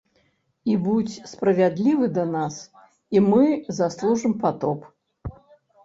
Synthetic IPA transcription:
ibut͡sʲspɾɐvʲad̪lʲivɨd̪ɐnas | imɨzaslˠuʐɨmpat̪ɔp

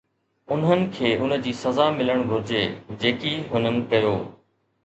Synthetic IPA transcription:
ʊnɦənɪ̆kʰeːʔʊnə̆d͡ʑiːsɐzaːmɪləɽ̃ɡʱʊɾd͡ʑeːd͡ʑeːkiːɦʊn̤ənɪ̆kɐjoː

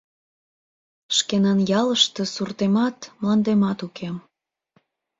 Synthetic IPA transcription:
ʃkenɑnjɑləʃt̪ɤ̽surt̪emɑt̪mlɑnd̪emɑt̪ukem

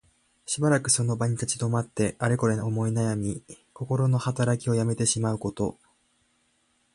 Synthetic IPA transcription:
ɕibaɾakɯ̟so̞no̞baɲ̟it̪at͡ɕid̪o̞mat̪ːe̞aɾeko̞ɾeomo̞inajamʲi | ko̞ko̞ɾo̞no̞hat̪aɾakʲio̞jame̞t̪e̞ɕimaɯ̟ko̞t̪o̞̰

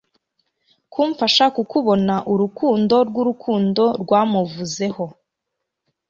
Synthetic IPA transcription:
kuːɱfaʃakukuβo̞naʔuɾukʰuːndo̞ɾɡuɾukʰuːndo̞ɾɡwaːmuvuze̞ho̞

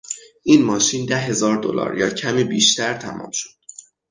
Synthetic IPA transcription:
ʔiːnmɒːʃiːnd̪æɦe̞zɒːɾd̪o̰lɒ̰ːɾjɒːcʰæmiːbiːʃt̪æɾt̪ʰæmʔɒ̰ːmʃo̥d̪̥

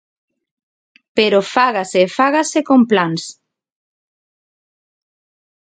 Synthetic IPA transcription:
peɾofaɣasefaɣasekomplans

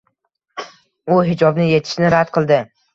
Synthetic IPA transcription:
ʊɦɪd͡ʒɒbnɪje̞t̪ʰɪ̥ʃnɪɾad̪qʰɨlˠd̪ɪ

